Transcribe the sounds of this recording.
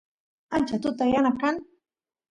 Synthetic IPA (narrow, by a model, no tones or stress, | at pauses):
ant͡ʃat̪ʊt̪ajanakan